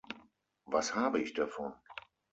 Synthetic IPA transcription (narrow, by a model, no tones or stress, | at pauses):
vashaːbəɪçd̥afɔn